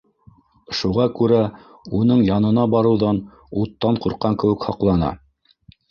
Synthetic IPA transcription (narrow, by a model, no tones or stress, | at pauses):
ʃuʁɑkʉɾæ | unɤɴjɑnɤ̆nɑbɑɾɤ̆wðɑn | ut̪ːɑɴquɾqɑŋkɘ̆wɘ̆khɑqlˠɑnɑ̰